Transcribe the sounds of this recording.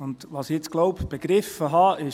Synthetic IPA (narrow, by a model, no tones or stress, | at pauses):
ʊndʋɑːsɪɪt͡sɡ̥lɔʊpb̥eɡ̥ɾɪfəɦɑːʔɪ